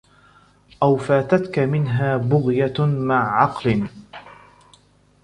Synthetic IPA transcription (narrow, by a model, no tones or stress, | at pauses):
ʔawfaːt̪at̪kamɪnɦaːbʊɣjamaʕːɑqlɪ